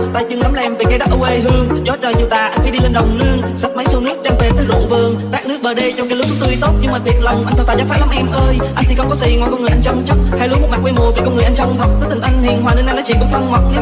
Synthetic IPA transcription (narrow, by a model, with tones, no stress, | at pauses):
t̪aː˧˩zɨ˧ŋɗɔ˨˦lːʔɛ˧mve˨˩ka˧˦ɗɔ˨˦˥t̚ʔə˧wʔe˧ɦɨ˧əŋzɔ˨˦˥t̚t͡ɕəː˨˩zu˨˩t̪a̰ː˧˨˩ʔa˧jŋ̟fa˧˩˦ɗi˧le˧nɗə˨˩wŋ͡mnɨ˧əŋsa˨˩t̚mə˨˦jso˧wnɨ˦˥ək̚t͡ɕa˧mve˨˩t̪ɨ˨˦zo̰˧˨nvɨ˨˩əŋt̪aː˦˥k̚nɨ˦˥ək̚ɓəː˨˩ɗə˧t͡ɕɔ˧ŋ͡mkaː˨˧˦lu˦˥sʊ˦˥t̪ɨ˧˦t̪o˦˥t̚ɲɨ˧ŋmaː˨˩t̪ʰi˨˩ət̚lə˨˩wŋ͡mʔa˧jŋt̪ʰːt̪aː˧˩zaː˧˩faː˨˦jla˨˦mʔɛ˧mʔəː˧jʔa˧ŋ̟t̪ʰi˨˩xə˧wŋ͡mkɔ˨˦zi˨˩ŋɔ̰˨˧˨jkɔ˧nŋɨ˨˩ʔa˧jŋt͡ɕɔ˧wŋ͡mt͡ɕɔ˦˥t̚ha˧jlu˨˦m˨˩t̚m˨˩k̚wɛ˧mu˨˩əveː˨˩kɔ˧nŋɨ˨˩əʔa˧ŋ̟t͡ɕɔ˧wŋ͡mt̪ʰə˨˩t̚kəː˨˦t̪ï˨˩ʔa˧jŋ̟t̪ḭ˧˨ənɦwaː˨˩nɨ˧nʔa˧nɔ˨˦t͡ɕḭ˧˨kʊ̰˧˥ŋ͡mt̪ʰə˧nmə˨˩wk͡p̚n˨˦